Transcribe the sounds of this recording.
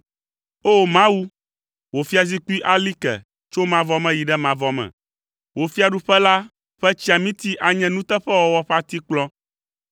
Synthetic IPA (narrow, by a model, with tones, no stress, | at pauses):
o˦mã˦wu˦ | wo˨fi˦a˨zi˦ku˦i˦ʔa˦li˦kɛ̰˨ | t͡ʃo˦mã˨vɔ˦mɛ̃˦ji˨ɖɛ˦mã˨vɔ˨mɛ̰̃˨ | wo˨fi˦a˨ɖu˦ɸɛ˦la˦ | ɸɛ˦t͡ɕi˦a˨mĩ˦t̪i˦ʔa˨ɲɛ̃˦nũ˦t̪ɛ˦ɸɛ˦wɔ˨wɔ˦ɸa˦t̪i˦k͡plɔ̃˦